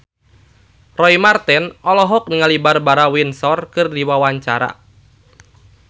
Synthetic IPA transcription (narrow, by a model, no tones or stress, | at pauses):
rɔimart̪ɛnɔlɔɦɔk̚niŋalibarbaɾawinsɔrkɨrdiwawaɲt͡ʃaɾa̰